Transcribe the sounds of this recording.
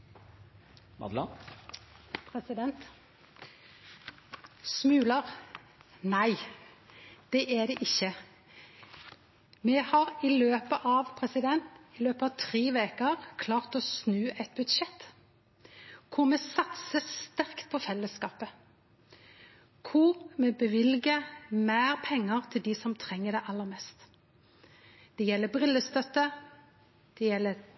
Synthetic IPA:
mɑ̰d̪lɑ | pʰʁɛsɪd̪ɛnt̪ | smʉːləʁ | næɪ | d̪̥ɛʔæd̪ɛʔɪçːə | mɛhɑʁɪløːpəʔɑʋpʰʁɛsɪd̪ɛnt̪ɪløːpəɑʋt̪ʰʁeːʋeːkəʁkʰlɑːʁt̪oːsnʉːɛt̪̚bʉd̪ʂɛt̪ː | kʰʊɾmɛsɑt̪səst̪æʁkt̪̚pʰɔfɛlːəskɑːpə | kʰʊʁmɛbəʋɪlɡəmæːʁpʰɛŋːəʁt̪ʰɪld̪ɪsɔmt̪ʰʁɛŋːəd̪ɛʔɑlːəɾmɛst̪ | d̪̥ɛjɛlːəbʁɪlːəst̪œt̪ːə | d̪̥ɛjɛlːəɾ

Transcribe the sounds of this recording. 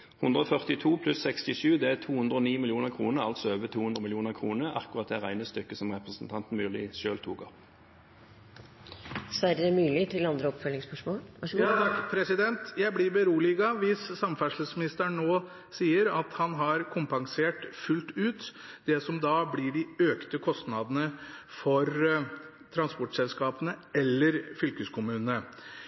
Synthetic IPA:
hʉnd̪ʁəɔfœʁt̪ɪt̪ʰuːpʰlʉsːɛkst̪ɪʂʉːd̪ɛæt̪ʰuːhʉnd̪ʁəoːniːmɪljuːnəʁkʰʁuːnəʁɑlt̪sɔøːʋət̪ʰuːhʉnd̪ʁəmɪljuːnəʁkʰʁuːnəʔɑ̰kʊʁɑt̪̚d̪ɛʁæɪnəst̪ʏkːəsɔmʁɛpʁəsn̩t̪ʰɑnt̪n̩mʉːlɪʃøːlt̪ʰuːɡɑ̰ | sʋæɾəmyːlɪt̪ʰɪlɑnd̪ɾəɔpfœlɪŋspœʂmoːjɑɑkːpʰɾɛsɪd̪ɛnt̪jæɪblɪbəɾuːlɪɡɑʋɪsːɑmfæʂɭəsmɪnɪst̪əɳoː | siːəɾɑt̪hɑnɦɑɾkʰʊmpɑŋseːʈfʉlt̪ʉːt̪d̪ɛsɔmd̪ɑːblɪɖɪøːkt̪əkʰɔst̪nɑd̪ənəfɔɾ | t̪ʰɾɑnspɔʈsɛlskɑːpənəɛlːəɾfʏlkəskʰʊmʉːnənə

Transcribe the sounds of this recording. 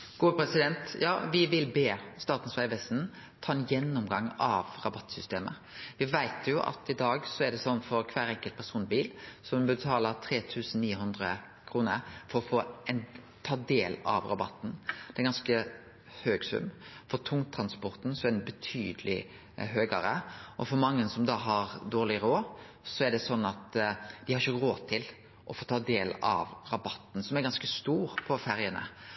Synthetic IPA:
ɡ̥uːəpʰɾɛsɪd̪ɛnt̪jɑ̰ːʋɪʋɪlbeːst̪ɑːt̪n̩sʋæɪʋɛst̪n̩ | t̪ʰɑːɛnjɛnːʊmɡɑŋːɑʋɾɑbɑt̪ːsʏst̪eːmə̰ | ʋɪʋæɪt̪ʰjʊʔɑ̰t̪ɪd̪ɑːɡsɔɛɖ̪ɛsɔnːfɔɾkʰʋæːɾɛŋkəl̚pʰæɾsuːnbiːlsɔmbət̪ʰɑːlət̪ʰɾeːt̪ʰʉːsn̩niːɦʉnd̪ɾə | kʰɾuːnəɾfɔɾɔfoːɛn | t̪ʰɑːd̪eːlɑ̰ʋɾɑbɑ̰t̪ːn̩d̪ɛɛɾɡɑnskə | høːɡsʉ̰mːfɔt̪ʰʊŋt̪ʰɾɑnspɔɾt̪n̩sɔɛd̪nbət̪ʰyːd̪əlɪ | ɦøːɡəɾəʔɔfɔɾmɑŋːənsɔmd̪ɑːɦɑɾd̪oːʁlɪɾoː | sɔæɖ̪ɛsɔnːɑt̪d̪ɪhɑɾɪçəɾoːt̪ʰɪl | ʔɔfoːt̪ʰɑːd̪eːlɑ̰ʋɾɑbɑt̪ːn̩sɔmæɾɡɑnskəst̪uːɾpʰɔfæɾjənə̰

